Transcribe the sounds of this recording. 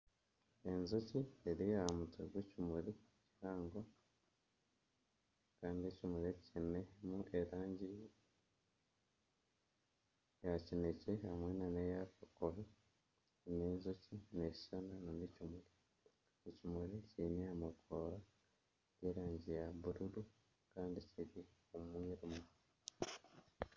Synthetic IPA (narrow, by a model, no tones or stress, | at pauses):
enzucieɾijaamuteɡwecimuɾi | ciɾaːŋɡo | kaːndiecimuɾecinemuʔeɾaːɲɟi | jacinecehamwenanejafokoɾo | neːzocine̞i̥ʃananonecimuɾe | ecimuɾecinejamukʰoɾa | jeɾaːɲɟijaβuɾuɾu | kaːndiciɾiomwiɾumu